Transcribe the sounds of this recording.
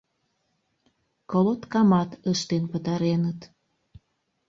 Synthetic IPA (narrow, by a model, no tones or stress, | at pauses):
kolot̪kɑmɑt̪əʃt̪enpət̪ɑɾenət̪